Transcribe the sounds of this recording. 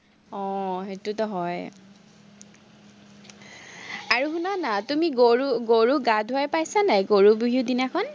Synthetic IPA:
ɔ̃ɦetutɔɦɔj | aɹuxunanatumiɡoɹuɡoɹuɡadʱʊajpajsanajɡoɹubuɦidinakʰɔn

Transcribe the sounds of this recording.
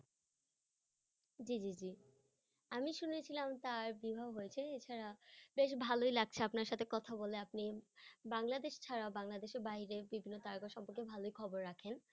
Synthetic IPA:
d͡ʑid͡ʑid͡ʑi | amiʃunet͡ɕʰilamt̪aɾbibʱabɦojet͡ɕʰeet͡ɕʰaɾabeʃbʱalojlaɡ̚t͡ɕʰeapnaɾʃat̪ʰekɔt̪ʰaboleapnibaŋlad̪eʃt͡ɕʰaɾaobaŋlad̪eʃeɾbaɦiɾebibʱinːot̪aɾɡoʃɔmpoɾkebʱalojkʰɔboɾɾakʰen

